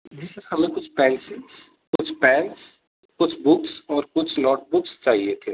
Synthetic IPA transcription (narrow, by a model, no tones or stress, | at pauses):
d͡ʒɪsɾhɐmẽkʊt͡ʃʰpɛ̃ːnsɪs | kʊt͡ʃʰpɛ̃ːns | kʊt͡ʃʰbʊksɔːɾkʊt͡ʃʰnɔːʈ̚bʊkst͡ʃaːɦiet̪ʰeː